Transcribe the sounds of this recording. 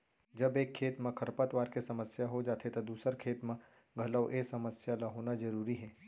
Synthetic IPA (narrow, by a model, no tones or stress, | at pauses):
d͡ʒɐbeːkʰːeːt̪mẽkʰɐɾpət̪ʋaːɾkesɐməsjaɦod͡ʒaːt̪ʰet̪ɐd̪uːsəɾkʰeːt̪mẽ | ɡʱɐləwʔeːsɐməsjalaɦoːnazɐɾuːɾiɦɛː